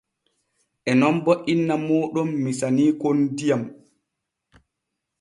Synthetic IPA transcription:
ʔɛnɔmbɔʔinːamɔːɗɔmːisaniːkondijam

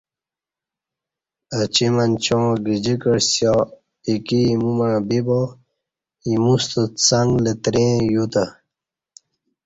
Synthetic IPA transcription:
ət͡ɕimɐnt͡ɕõɡid͡ʑikəɽsja | ikiːmumɐɻbibo | imust̪ət͡saŋɡlet̪ɾẽːjut̪a

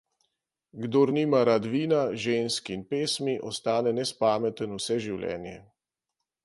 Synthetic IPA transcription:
ɡd̪oːɾniːmaɾad̪ʋiːnaʒeːnskinpeːsmiʔɔst̪aːnɛnɛspaːmɛt̪ənusɛʒiwlʲɛ̰ːnjɛ̰

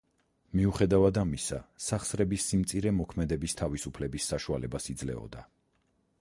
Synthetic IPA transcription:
miuχɛd̪avad̪amisa̰saχsɾɛbisːimt̪sʼiɾɛmɔkʰmɛd̪ɛbist̪ʰavisupʰlɛbisːaʃualɛbasid̪zlɛ̰ɔ̰d̪a

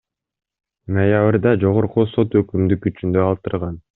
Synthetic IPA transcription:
nojaβrd̪ɑd͡ʒo̞ʁoɾquso̞t̪økymd̪ykyt͡ʃynd̪ø̞ɑlˠt̪ɯɾʁɑn

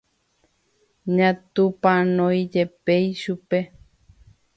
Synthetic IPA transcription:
ɲãt̪upãnõjd͡ʒepejʃupe

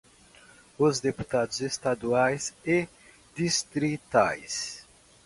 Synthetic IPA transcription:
ʊzd̪epu̥t̪ad̪ʊzest̪ad̪uajse | d̪ist̪ɾit̪a̰js

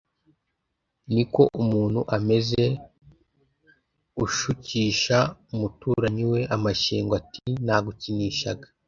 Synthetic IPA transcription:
niko̞ʔumuːn̥huʔame̞ze̞ | ɡuʃuciːʃaumutuːɾaɲiwe̞ʔamaʃiːŋɡwatinaɡuciniːʃa̰ɡḁ

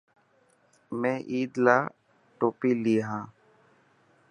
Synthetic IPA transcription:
mɛ̃ːʔiːd̪laː | ʈoːpiːliːɦãː

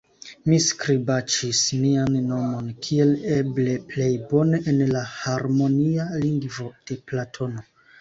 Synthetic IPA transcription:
miskɾibat͡ʃismianːo̞mo̞nkʰie̞le̞ble̞ple̞jbo̞ne̞ʔenlahaɾmo̞nialiŋɡvo̞d̥e̞platʰo̞no̞

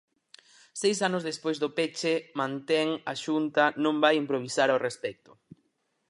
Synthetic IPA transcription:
sejsanʊzðespojzðʊpet͡ʃemãnt̪ɛŋaʃunt̪ɐnõŋbajimpɾoβ̞isaɾaʊrespɛk̚t̪ʊ̥

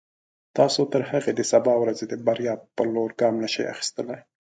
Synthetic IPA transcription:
t̪ɑsot̪əɾhaɣed̪əsabɑwɾazed̪əbaɾjɑpːəloɾɡɑmnaʃa̰ja̰xi̥st̪əlaj

